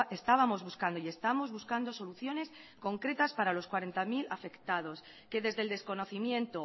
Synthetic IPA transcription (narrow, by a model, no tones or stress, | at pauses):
est̪aβamo̞zβuskand̪oie̞st̪amo̞zβuskand̪o̞so̞luθjo̞ne̞sko̞ŋkɾe̞t̪aspaɾalo̞skwaɾe̞nt̪amilafe̞kt̪að̞o̞s | ke̞ðe̞zðe̞ld̪e̞sko̞no̞θimjẽ̞nt̪o